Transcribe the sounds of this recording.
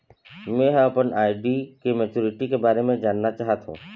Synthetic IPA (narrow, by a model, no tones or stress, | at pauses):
mẽɦəɐpənaːɪɖikemet͡ʃuːɾɪʈikebaːɾemẽd͡ʒaːnːat͡ʃaːɦt̪ɦṵ̃ː